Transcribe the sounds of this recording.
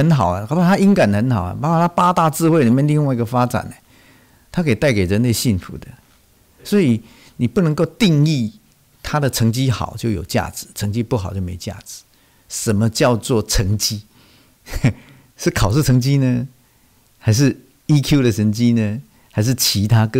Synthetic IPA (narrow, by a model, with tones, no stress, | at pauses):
hə˧˦nxɑ˨˩ʊə˦˨˧pa˥˧˩t̪ʰa˥i˥ŋka˨˩n˩ə˧˦nxɑ˨˩ʊɐ̰˨˩pa˧˥kʰa˨˩t̪ʰa˥pa˥t̪a˥˧t͡sɹ̩˥˧we˥˩ɪli˨˩mjɛ˥˧nli˥˧ŋwa˥˩ɪi˧ɡə˨fa˥t͡sa̰˨˩ne˩˦ | t̪ʰa˥kʰe˨˩ɪ˩t̪a˥˩ɪke˨˩ɪɻə˧˦nle˥˧ɪɕi˥˩nfṵ˧˥d̪ə˨ | swɔ˧˥i˨˩ | ni˨˩pu˥˩nə˧˥ŋko˥˧ʊt̪i˥˧ŋi˥˧ | t̪ʰa˦˥d̪ə˨t͡sʰə˧˥ŋt͡ɕi˥xɑ̰˨˩˦ʊt͡ɕjo˥˩ʊjo˨˩ʊt͡ɕja̰˥˩ʈ͡ʂɹ̩˨˩˦t͡sʰɤ˧˦˥ŋt͡ɕi˦˥pu˥˩xʊt͡ɕjo˥˩me˧˥˨t͡ɕja̰˥˩t͡sɹ̩̥˨˦ | ʂə˨˦nmə˧t͡ɕjɑ˥˧ʊt͡swɔ˥˨˩t͡sʰə˧˦˥ŋt͡ɕi˦˥ | ʂɻ̩˥˩kʰɑ˨˩ʊʂu˥˩t͡sʰɤ˧˥ŋt͡ɕi˦nə˧ | xa˧˥ɪʂ̬ɻ̩˥˧ | i˦˥kʰju˥˧ɾə˨t͡sʰə˧˥ŋt͡ɕi˦nə˨ | xa˧˥ɪʂ̬̩˥˩t͡ɕʰi˧˦˥t̪ʰa˥k